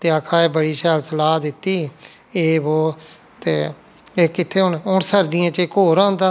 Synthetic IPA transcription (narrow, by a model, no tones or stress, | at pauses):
t̪eːakʰaːeːbəɽiːʃɛːlsəlaːd̪ɪt̪ːiː | eːʋoː | t̪eː | eːkɪt̪ʰːeːɦʊnʊnsəɾd̪ɪjãːt͡ʃekoːɾãːnd̪aː